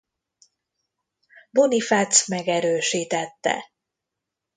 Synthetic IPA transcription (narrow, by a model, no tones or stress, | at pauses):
bonifat̪smɛɡɛɾøːʃiːt̪ɛt̪ːɛ̰